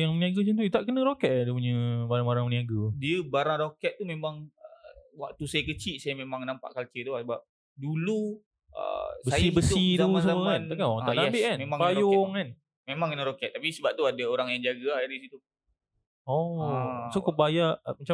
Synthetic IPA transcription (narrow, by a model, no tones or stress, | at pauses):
jaŋməniaɡət͡ʃənt̪uit̪aʔkənə̃ɾokɛt̪̚dəp̬uɲəbaɾaŋbaɾaŋməniaɡədiəbaɾaŋɾokɛt̪̚ːumemaŋəwak̚t̪usajəkət͡ʃiʔsajamemaŋnampa̰ʔkalt͡ʃət̪uasəbap̚ | dulu | ə̰sbəajibəsit̪usəmokanakaɔa̰ʔnaɛbɪʔkanmemãŋkpajoŋan | memaŋkənəɾokɛt̪̚ːapisəbap̚t̪uadəoɾaŋjaŋd͡ʒaɡəaɾisit̪u | ɔ | sokəbajaʔmat͡ʃa